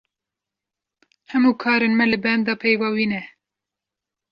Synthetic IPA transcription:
hɛmuːkʰɑːɾenmɛlɨbɛmd̪ɑːpʰɛjvɑːwiːnɛ

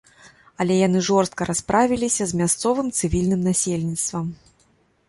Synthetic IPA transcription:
ɐlʲɛjanɨʐɔrst̪̚kɐɾʔaspɾʔavʲilʲisʲɐzmʲast̪sɔvɨmt̪sɨvʲilʲnɨmnasʲelʲnʲit̪st̪vɐm

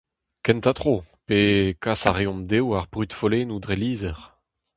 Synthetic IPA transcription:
kɛnt̪at̪χo | pekasa̰ʁeɔ̃md̪ewaʁbʁyt̪foleːnud̪ʁeliːzɛʁ

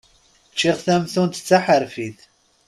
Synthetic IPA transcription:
t͡ʃːiʁθæmθunt̪ə̥t͡sːaħəɾfiθ

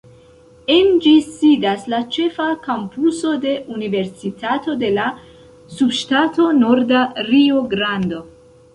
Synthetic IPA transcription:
end͡ʒisidaslat͡ʃe̞fakampuso̞de̞ʔunive̞ɾsitato̞de̞la | subʃtato̞no̞ɾdaɾioɡɾando̞

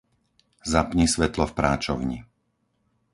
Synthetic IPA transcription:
zapɲisʋɛt̪lɔfpɾaːt͡ʃɔ̰ʊɲḭ

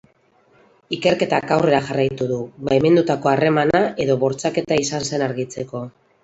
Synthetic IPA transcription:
ike̞ɾke̞t̪akawre̞ɾaʝarajt̪uðuβajme̞nd̪ut̪ako̞are̞manae̞ðo̞βo̞ɾt͡sake̞t̪aisanse̞naɾɣit͡se̞ko̞

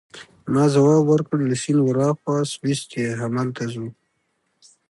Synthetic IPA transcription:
mɑzawɑːbwəɾkəɽlasinwaɾɑxwɑswist̪eɦamalt̪ʰazu

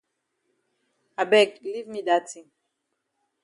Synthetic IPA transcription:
abɛɡlivmidatʰĩŋ

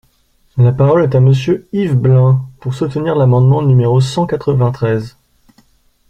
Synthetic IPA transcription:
lapaʁɔlɛt̪aməsjøivblɛ̃puʁsut̪niʁlamɑ̃d̪mɑ̃nymeʁosɑ̃kat̪χəvɛ̃t̪χɛz

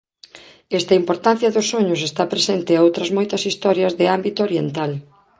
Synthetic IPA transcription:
ɛst̪ɐimpoɾt̪an̟θjɐðʊsːoɲʊs̬est̪apɾesent̪ɪaowt̪ɾɐzmojt̪ɐsist̪ɔɾjɐzðɪambit̪ooɾjent̪al

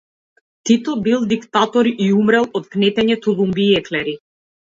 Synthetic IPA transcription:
t̪it̪ɔbilˠd̪ikt̪at̪ɔɾiʔiumɾɛlˠɔt̪̚knɛt̪ɛɲɛt̪ulˠumbiɛklɛɾi

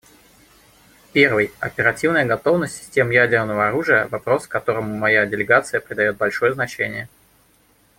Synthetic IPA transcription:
pʲe̞rvɨjɐ̰pʲɪɾɐtʲivnəjəɡɐt̪o̞vnəsʲtʲsʲɪ̥sʲtʲe̞mjædʲɪrnəvəɐɾuʐɨjə̰vɐpɾo̞skɐt̪o̞ɾəmʊmɐjadʲɪlʲɪɡat̪sɨjəpɾʲɪd̪ɐjo̞t̪̚bɐlʲʂo̞jəznɐt͡ɕenʲɪjə

